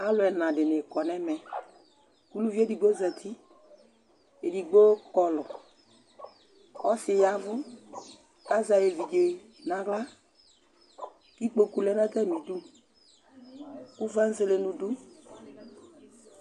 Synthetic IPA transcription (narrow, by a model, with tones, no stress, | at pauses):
a˦lʊ˨ɛ˨nã˨dɪ˨nɪ˨kɔ˨nɛ˦mɛ˨ | ku˦lu˦vi˦e˦di˨ɡ͡bo˦zɛ˨t̪ʰi˦ | e˨di˨ɡ͡bo˦kɔ˨lʊ˨ | ɔ˦sɪ˨ja˦vʊ˦ | ka˦za˨je˨vi˨d͡ʒe˨ | nã˨ɡla˦ | ki˦k͡po˨ku˨lɛ˦na˦tɛ˦˨mi˨du˦ | ku˦va˦n̩˦ze˦le˦nũ˨du˦